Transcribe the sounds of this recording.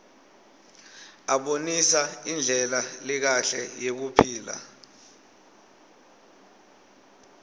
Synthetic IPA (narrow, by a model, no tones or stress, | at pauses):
aɓonisaind͡ɮʱɛlalik̬aɬɛ̰jek̬upʰiːla̰